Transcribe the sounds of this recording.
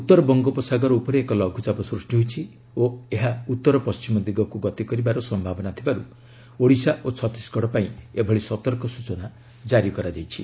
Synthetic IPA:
ut̪ːɔɾɔbɔŋɡɔpɔsaɡɔɾɔupɔɾeekɔlɔɡʱut͡ʃabɔsɾusʈiɦut͡ʃʰi | oeɦaut̪ːɔɾɔpɔst͡ʃimɔd̪iɡɔkuɡɔt̪ikɔɾibaɾɔsɔmbʱabɔnat̪ʰibaɾu | oɽisaʔot͡ʃʰɔt̪i̥sɡɔɽɔpaĩebʱɔɽisɔt̪ɔɾkɔsut͡ʃɔna | d͡ʒaɾikɔɾad͡ʒajt͡ʃʰi

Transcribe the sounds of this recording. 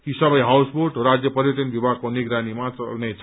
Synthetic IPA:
kisʌbʌjɦawsboɾʈɾad͡zjʌpʌɾjot̪inbibʱaɡ̚koniɡɾanimat͡sʌlnet͡sʰ

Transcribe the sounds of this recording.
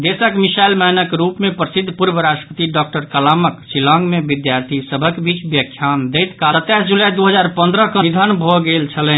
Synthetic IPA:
d̪esəkmisajlmənəkɾupmepɾəsid̪ʱːpuɾbəɾasʈəpət̪iɖɔk̚ʈəɾkəlaməksilãŋɡmebid̪jaɾt̪ʰisəbʱəkebit͡ʃbjəkʰːjand̪ɛjt̪kaət̪ːɛsd͡ʒulad̪uɦəd͡ʒaɾpə̃nd̪ɾəkəid̪ʱənbʱɔɡelt͡ʃʰəlɛn

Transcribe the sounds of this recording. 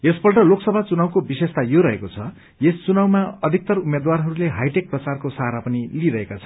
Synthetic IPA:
esbʌrʈʌloksʌbʱat͡sunawkobisest̪ajoɾʌɦekot͡sʰʌ | jest͡sunawmaʌd̪ʱik̚t̪ʌrumed̪warɦʌɾuleɦajʈek̚prʌt͡sarkosaɾapʌniliɾʌɦekat͡sʰʌ

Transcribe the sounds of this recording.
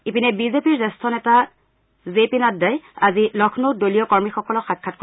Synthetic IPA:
ipinɛbizepiɹzɛstʰɔnɛta | zepinadːajazilɔkʰnodoliɔkɔɹmixɔkɔlɔxat̚kʰːatko

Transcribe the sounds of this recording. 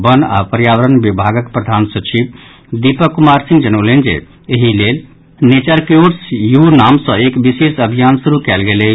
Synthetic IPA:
bəna̰pəɾjaʋəɾənbibʱaɡəkpɾəd̪ʱansət͡ʃib | d̪ipəkumaɾsĩŋɡd͡ʒənolend͡ʒḛ | eɦilel | net͡ʃəɾkjoɾsjunamsə̃ekbisesəbʱijansuɾukɛlɡele

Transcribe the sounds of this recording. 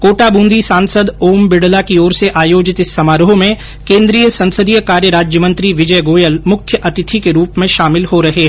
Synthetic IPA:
koːʈaːbũːnd̪isãːnsəd̪oːmbɪɽlakiɔːɾseʔaːjoːd͡ʒɪt̪ɪsːɐmaːɾɦomẽ | kẽːnd̪ɾiːjəsɐ̃nsəd̪ijəkaːɾjəɾaːd͡ʒjəmə̃nt̪ɾiʋɪd͡ʒəjɡoːjəlmʊkʰjəʔɐt̪ɪt̪ʰikeɾuːpmẽʃaːmɪlhoɾɐɦeɦ

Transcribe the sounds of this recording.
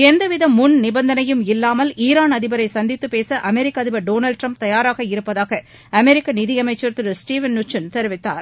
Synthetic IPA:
ɛnd̪ɐʋɪðɐmːʊnnɪbɐnd̪ɐnɐjɯmɪlːaːmɐliːɾaːnɐðɪbɐɾɐɪsɐnd̪ɪt̪ːɯpːeːsɐʔɐmɛɾɪkːɐðɪbɐɾɖoːnɐlɖ̚ʈɾɐmp̚t̪ɐjaːɾaːɣɐɪɾɯpːɐðaːɣɐ | ɐmɛɾɪkːɐnɪðɪjɐmɐɪt͡ʃːɐɾt̪ɯɾɯsʈiːʋɐnːʊt͡ʃːɐnt̪ɛɾɯʋɪt̪ːa̰ːɾ

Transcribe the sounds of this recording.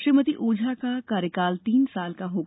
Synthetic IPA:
ʃɾimət̪iʔoːd͡ʒʱakakaːɾjəkaːlt̪iːnsaːlkaɦoː

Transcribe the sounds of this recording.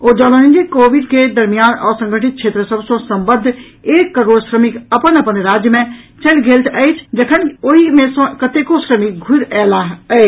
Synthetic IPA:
oːd͡ʒɔːlonĩnd͡ʒekoːʋɪɖked̪əɾmijaːnɔ̰ːɾsə̃ŋɡəʈɪt̪̚t͡ʃʰeːt̪ɾəsəbsõsə̃mbəd̪ʱː | eːkːəɾoːɽsɾəmɪkəpənəpənɾaːd͡ʒjəmẽ | t͡ʃəlɡʱeːlt̪ʰəet͡ʃʰd͡ʒəkʰənoɦimẽsõkət̪ekosɾəmɪk̚ɡʱʊɾɛːlaɦəe

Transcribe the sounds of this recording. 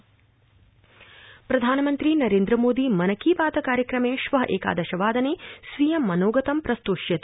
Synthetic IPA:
pɾɐd̪ʱaːnɐmɐnt̪ɾinɐɾeːnd̪ɾɐmoːd̪imɐnɐkiːpaːd̪ɐkaːɾjɐkɾɐmeːʃʋɐɦɐʔeːka̰ːd̪ɐʃɐʋaːd̪ɐneːsʋijɐmːɐnoːɡɐt̪ɐmpɾɐst̪oːʃjɐt̪

